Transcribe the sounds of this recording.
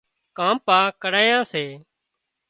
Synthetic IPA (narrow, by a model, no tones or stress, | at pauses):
kãːmpaːkəɽaːjãːseː